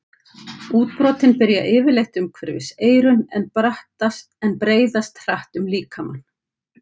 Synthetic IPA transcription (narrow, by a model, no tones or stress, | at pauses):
uːt̪̚pɾɔːt̪ɪnpɪɾja̰ʔɪːvɪɾlejxt̪ʏmkʰv̥ɛɾvɪ̰seːjɾʏnɛnpɾaht̪ast̪ɛnpɾeːjðast̪r̥aht̪ʏmliːkʰama̰nː